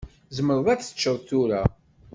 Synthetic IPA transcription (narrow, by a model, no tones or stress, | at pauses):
zəməɾˤðˤæt͡sːə̥t͡ʃːəwθuɾa